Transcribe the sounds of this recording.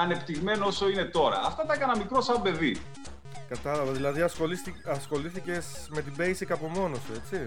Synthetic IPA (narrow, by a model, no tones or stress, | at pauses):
ɐne̞pt̪iɣme̞nooso̞ine̞t̪o̞ɾɐ̰ɐft̪ɐt̪ɐekɐnɐmikɾo̞sɐbe̞ðḭ | kɐt̪ɐlɐvɐðilɐðiɐsxo̞lisiɐsxo̞liθice̞sme̞t̪ibe̞jsikɐpo̞mo̞no̞see̞t͡si